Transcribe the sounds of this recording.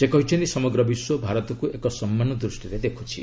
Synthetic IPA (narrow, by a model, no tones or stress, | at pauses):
sekɔɦit͡ʃʰɔnt̪isɔmɔɡɾɔbiswɔbʱaɾɔt̪ɔkuekɔsɔmːanɔd̪ɾusʈiɾed̪ekʰut͡ʃʰḭ